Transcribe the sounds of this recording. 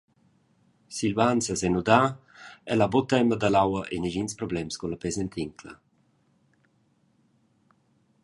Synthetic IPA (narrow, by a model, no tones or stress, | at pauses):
silvant͡səzɛnud̪a | ɛlabot̪ɛməd̪alawɐʔeniʒinspɾɔblɛmskulapezɛnt̪ʰiŋkʰlə̰